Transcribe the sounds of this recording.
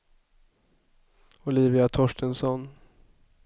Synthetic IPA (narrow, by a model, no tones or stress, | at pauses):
ʊliːvɪat̪ʰɔʂʈənsɔn